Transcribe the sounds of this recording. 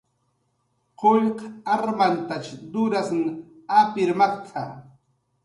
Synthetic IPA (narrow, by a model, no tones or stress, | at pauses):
qoʎqaɾmant̪at͡ʃd̪ʊɾasnɪ | apɪɾmɑqt̪ʰa̰